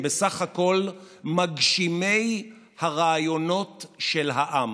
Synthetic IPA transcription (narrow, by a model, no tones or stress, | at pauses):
besaχhako̞lmaɡʃime̞j | haʁaːjo̞no̞tʃelɦaʔam